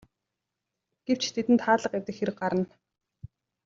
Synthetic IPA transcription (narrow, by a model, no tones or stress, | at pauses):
ɡ̥ew̥t͡ɕt̪ʰet̪ɘ̆nt̪ʰχaːɮə̆qert̪ɘ̆kxeɾɘ̆ɢaɾə̆n